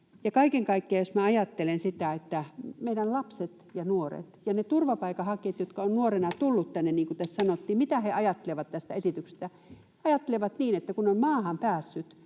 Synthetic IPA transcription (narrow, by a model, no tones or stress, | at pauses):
jɑkɑikeŋkɑikːeɑjosmæɑjɑt̪ːelensit̪æet̪ːæmeiɾællɑpset̪jɑnuorḛt̪jɑnet̪urʋɑpɑikɑhɑket̪jot̪kɑonnuorenɑt̪ulːut̪t̪ænːenniːŋkut̪æssɑnot̪ːiːmmit̪æheʔɑjɑt̪ːeleʋɑt̪t̪æst̪æesit̪ykse̥st̪æ | ɑjɑt̪ːeleʋɑt̪niːnet̪ːækunommɑːhɑmpæːsːyt̪